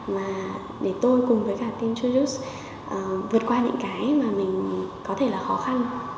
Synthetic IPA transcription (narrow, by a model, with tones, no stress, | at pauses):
maː˨˩ | ɗe˧˩t̪o˧jkʊ˨˩ŋ͡mvəː˨˦jkaː˧˩t̪i˧mt͡ɕu˧zu˦˥s | ʔəː˨˩vɨ˨˩ət̚kwaː˧ɲɨ̰˧˥ŋkaː˨˦jmaː˨˩mï˨˩ŋ̟kɔ˨˦t̪ʰe˧˩laː˨˩xɔ˨˦xa˧n